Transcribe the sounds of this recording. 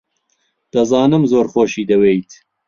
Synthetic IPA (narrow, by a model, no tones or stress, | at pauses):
d̪̥ɐzɑːnɨmzoːɾxoːʃiːd̪ɐwejt̪